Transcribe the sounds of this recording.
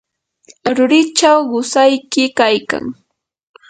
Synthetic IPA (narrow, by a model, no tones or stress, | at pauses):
ɾʊɾɪt͡ʃawɢʊsajkɪkajka̰ŋ